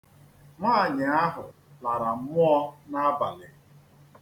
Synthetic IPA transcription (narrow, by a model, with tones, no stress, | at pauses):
ŋʷa˦˨ɲɪ˨a˦ɦʊ˨ | la˨ɾa˨m̩˦mʊ˦ɔ˦na˦a˦ba̰˨lɪ˨